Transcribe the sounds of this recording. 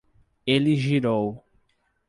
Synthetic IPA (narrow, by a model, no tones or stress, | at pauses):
elɪʒiɾow